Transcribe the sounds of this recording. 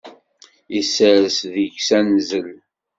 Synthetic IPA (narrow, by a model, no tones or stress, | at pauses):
isəɾəsðiʝsænzəl